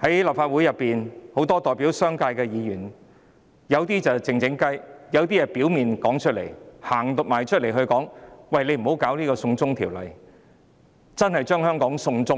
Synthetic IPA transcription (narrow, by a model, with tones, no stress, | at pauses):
hɐ˨˥jla˨˩p̚faː˧t̚wu˨˥jɐ˨pːiː˨nho˨˥wt̪ɔː˥t̪ɔː˨jpi˨˥wsœː˥ŋkaː˧jkɛː˧jiː˨˧jyː˨˩n | jɐ˨˧wt̪iː˥t͡sɐ˨wt͡sɪ˨˧ŋt͡sɪ˨˥ŋkɐ˥jjɐ˨˧wt̪iː˥jɛ˨˧pi˨˥wmiː˨nkɔː˨˥ŋt͡ʃʰɵ˥t̚lḛ˨˩jhaː˨˩ŋt̪ʊ˨maː˨jt͡ʃʰɵ˥t̚le˨˩jɦɵ˧ɥkɔː˨˥ŋwɐ˧˨jle˨˧jm̩˨˩ho˨˥wkaː˨˥wliː˥kɔː˧sʊ˧ŋt͡sʊ˥ŋt̪ʰiː˨˩wlɐ̰˨˩j | t͡sɐ˥nhɐ˨jt͡ʃœː˥ŋhœː˥ŋkɔː˨˥ŋsʊ˧ŋt͡sʊ˥ŋ